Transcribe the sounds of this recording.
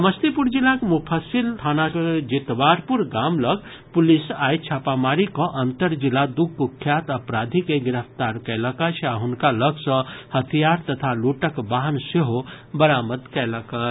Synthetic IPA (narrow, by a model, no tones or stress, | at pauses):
məst̪ipuɾd͡ʒilːakmupʰasilt̪ʰanakd͡ʒit̪baɾpuɾɡamləɡ | pulisajt͡ʃʰapamaɾikɔ̃ʔənt̪əɾd͡ʒilːad̪uɡːukʰːjat̪əpɾad̪ʱikeɡiɾəpʰt̪aɾkɛləkət͡ʃʰaɦunkaləɡsɔ̃hət̪ʰijaɾt̪ət̪ʰaluʈəkbaɦənseɦo | bəɾaməd̪kɛləkə